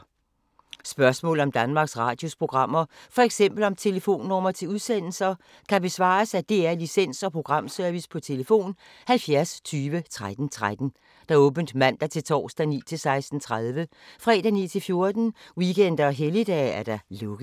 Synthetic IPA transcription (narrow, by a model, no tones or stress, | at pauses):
sb̥ɶɐsmɔ̰̽ːl̩ɒ̽md̥ænmɑ̈ːɡ̥sʁɑ̈ːd̥jo̝spʰʁo̝ɡ̥ʁɑ̈m̰ɐfɒ̽eɡ̥sem̰b̥l̩ɒ̽mt͡sʰe̝ləfo̝̰ːnːɒmɐt͡sʰe̝luðˠsen̰l̩sɐ | kʰæb̥e̝sʋɑ̰̈ːsæd̥e̝æɐlisen̰sɒ̽pʰʁo̝ɡ̥ʁɑ̈m̰sœɐʋispʰɒ̽t͡sʰe̝ləfo̝̰ːn | hælfjæɐst͡sʰyːʋət͡sʰʁad̥n̩t͡sʰʁad̥n̩ | d̥ɑ̈ɔ̽ːb̥n̩d̥mæn̰d̥ɑt͡sʰe̝lt͡sʰɒ̰ːsd̥ænḭːt͡sʰe̝lsɑ̈ɪsd̥n̩t͡sʰʁaðˠʋə | fʁɛ̰ːd̥ænḭːt͡sʰe̝lfjo̝ɐd̥n̩wiken̰d̥ɐɒɦelid̥ɛ̰ːæɐd̥ɑ̈lɔ̽ɡ̥ð̩ˠ